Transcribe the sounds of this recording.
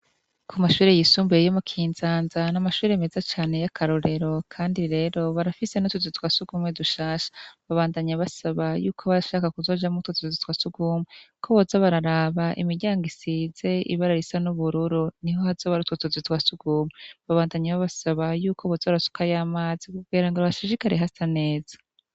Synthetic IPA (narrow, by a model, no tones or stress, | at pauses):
kʰumaʃuːɾe̞jisuːmbuejomukʰiːnzaːnzanamaʃuːɾeme̞zat͡ʃaːne̞jakʰaɾoɾe̞ɾo̞kʰaːndiɾe̞ɾo̞βaɾafise̞notuzitwasuɡ̥uːmweduʃaːʃḁβaβaːndaɲaβasaβajuːkʰoβaɾaʃaːkakuzo̞ːd͡ʒamutotuzzitwasuɡuːmwekʰoβozaβaɾaɾaβaʔḭmiɾɟaːŋɡisize̞ḭβaɾaɾisanuβuɾuɾuniho̞hazoβaɾutwotuzitwasuɡ̥uːmweβaβaːndaɲaβaβasaβajuːkʰo̞βozaɾasu̥kajaːmaːzikuɡiːɾaŋɡoɾaβaʃiʒikaɾeɦasane̞ːz̥ḁ